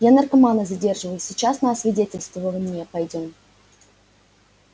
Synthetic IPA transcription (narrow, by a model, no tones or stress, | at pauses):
janərkɐmanəzʲɐdʲe̞rʐɨvəjʊsʲɪt͡ɕasnaɐsvʲɪdʲetʲɪlʲst̪vəvəlˠəmnʲepɐjdʲom